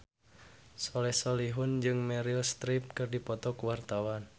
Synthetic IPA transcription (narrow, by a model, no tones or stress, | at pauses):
sɔlɛhsɔliɦʊnd͡ʒɨŋmɛɾilst̪ɾip̚kɨrdipɔt̪ɔkwart̪awan